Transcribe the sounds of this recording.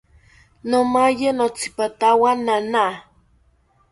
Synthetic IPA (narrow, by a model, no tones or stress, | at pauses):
nomajenot͡si̥pat̪awanana